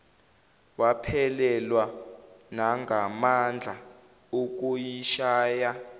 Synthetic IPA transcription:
wapʰɛlɛlwanaŋɡʱamand͡ɮʱa | uk̬ujiʃaːja

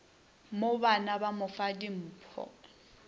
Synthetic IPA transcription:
mobanabamʊfadim̩ːpʰɔ̰

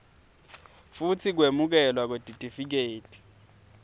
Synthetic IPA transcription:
futʰik̬wemuk̬ɛlwak̬od̥ʱitʼifik̬eːtʰʼi̥

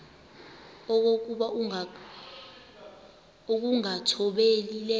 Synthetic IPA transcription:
ɔk̬ok̬uɓa | uk̬uŋatʰɔɓelilɛ

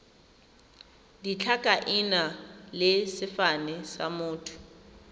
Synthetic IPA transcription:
dit͡ɬʰakʼaʔɪnalɪsɪfanɛsa̰mʊːtʰʊ̥

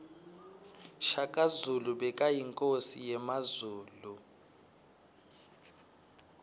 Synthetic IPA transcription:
ʃakʼazuluɓɛkʼajiŋkʼosijɛmazuːlu

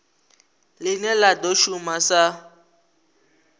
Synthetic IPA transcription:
lɪnɛladɔʃumasa

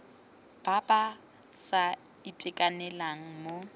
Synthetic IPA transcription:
b̥abʼa | sa | itʼɪkʼanɛlaŋ̩mo

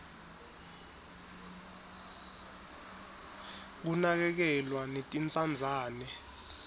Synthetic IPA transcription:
k̬unak̬ɛk̬ɛlwanetʼint͡sʼand͡zʱaːnɛ

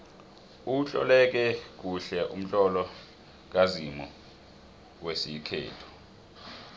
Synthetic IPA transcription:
uɬɔ̰lɛk̬ɛk̬uɬɛʔum̩t͡ɬʼɔlɔ | k̬azimɔ | wesikʰɛ̰ːtʰɔ̥

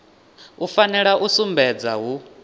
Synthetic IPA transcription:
ufanɛɺaʔusumbɛd͡zaɦu

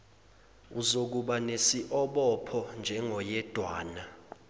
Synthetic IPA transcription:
uzok̬uɓanesiʔɔɓɔpʰɔnd͡ʒʱɛŋʱɔjɛd̥ʱwaːna

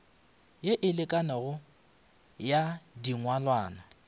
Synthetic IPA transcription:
jeʔɪlɪkʼanɛɣʊ | jadiŋwalwaːna

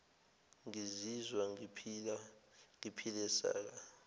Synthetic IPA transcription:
ŋizizwapʰaŋipʰilɛsa̰ːk̬a

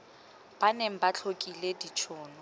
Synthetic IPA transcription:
b̥aneŋ̩bat͡ɬʰokʼiledit͡ʃʰʊːnɔ

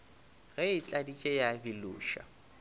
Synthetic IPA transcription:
ɣɛɪt͡ɬʼadit͡ʃʼɛjabɪlʊ̰ːʃa̰

